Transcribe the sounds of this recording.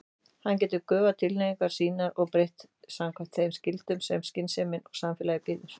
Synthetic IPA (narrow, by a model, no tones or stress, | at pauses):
hanc̬ɛːt̪ʏkœːvat̪ʰɪlnejiŋkaɾ̥siːnaɾɔɣpɾejht̪ | samkʰvḁt̪θeːjmscɪlt̪ʏmsɛmscɪnseːmɪnɔɣsamfɪːlajɪpɪːðʏɾ̥